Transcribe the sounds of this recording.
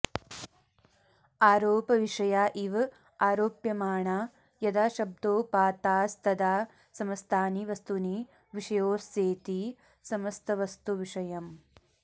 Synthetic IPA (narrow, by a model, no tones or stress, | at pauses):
aːɾoːpɐʋiʂɐjaːʔiʋ | aːɾoːpjɐmaːɳaː | jɐd̪aːʃɐb̚d̪oːpaːt̪aːst̪ɐd̪aː | sɐmɐst̪ʰaːniʋɐst̪uni | ʋiʂɐjoːseːt̪i | sɐmɐst̪ɐʋɐst̪uʋiʂɐjɐm